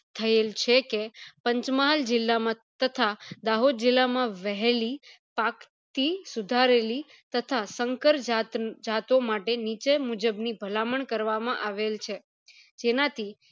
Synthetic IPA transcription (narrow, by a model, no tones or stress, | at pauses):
t̪ʰəelt͡ʃʰekepəɲt͡ʃmaɦald͡ʒɪlːamã | t̪ət̪ʰad̪aɦod̪̚d͡ʒɪlːamãʋəɦli | pak | t̪isud̪ʱaɾeli | t̪ət̪ʰasəŋkəɾd͡ʒat̪d͡ʒat̪omaʈenit͡ʃemud͡ʒəbnibʱəlaməɳkəɾʋamãʔaʋelt͡ʃʰe | d͡ʒenat̪ʰi